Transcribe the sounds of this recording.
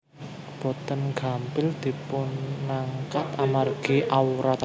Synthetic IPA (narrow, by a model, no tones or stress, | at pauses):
b̥ɔ̤t̪ənɡ̥a̤mpɪld̪̥i̤pʊnŋaŋkat̪amarɡ̥iʔauɾat̪